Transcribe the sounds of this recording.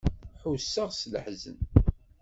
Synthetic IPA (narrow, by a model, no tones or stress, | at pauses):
ħusːəʁsləħzə̰n